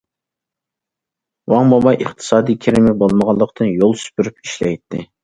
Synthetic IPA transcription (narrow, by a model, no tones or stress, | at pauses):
wɑŋmɑmɑjʔəχt̪ʰɨ̥sɑːd̪ijkʲʰeɾɪmɪbolˠməʁɑlˠːəqt̪ʰɨnjolˠsy̥pyɾypi̥ʃlɛjt̪ʰːɪ